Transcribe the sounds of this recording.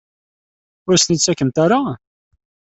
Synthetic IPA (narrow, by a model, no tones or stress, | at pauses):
ʊɾst̪nit͡sːækːəmt̪aɾa